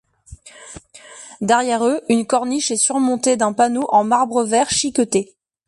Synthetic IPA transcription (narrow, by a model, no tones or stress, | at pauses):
d̪ɛʁjɛʁøynkɔʁniʃɛsyʁmɔ̃t̪ed̪ɛ̃panoʔɑ̃maʁbʁəvɛʁʃikɔt̪e